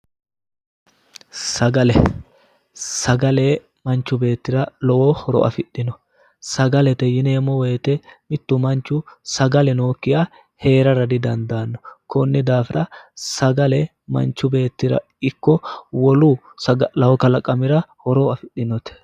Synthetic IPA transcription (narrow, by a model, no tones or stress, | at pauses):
sɐɡɐlɛ | sɐɡɐleː | mɐnt͡ʃːʊbe̞ːt̪ːɪɾɐlɔwɔhɔɾɔ̰ʔɐ̰fɪɗːɪnɔ | sɐɡɐlɛt̪ɛjɪneːmɔwɛjt̪ɛmɪt̪ːʊmɐnt͡ʃːʊsɐɡɐlɛno̞ːkːɪja | he̞ːɾɐɾɐd̪ɪd̪ɐnd̪aːnːɔkɔnːɪd̪aːfɪɾʔɐsɐɡɐlɛ | mɐ̰nt͡ʃːʊbe̞ːt̪ːɪɾɐ̰ | ɪkːɔwɔlu | sɐɡlɐwɔkɐlɐkʼɐmɪɾɐhɔɾɔɐfɪɗɪnɔt̪ɛ̥